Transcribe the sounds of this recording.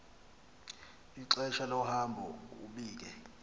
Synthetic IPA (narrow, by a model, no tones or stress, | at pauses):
iǀɛʃalɔhambʱɔṵɓiːk̬ɛ